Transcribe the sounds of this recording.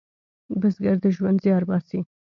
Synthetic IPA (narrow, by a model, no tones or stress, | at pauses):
bəzɡaɾd̪əʒwand̪zjɑɾbɑɾsi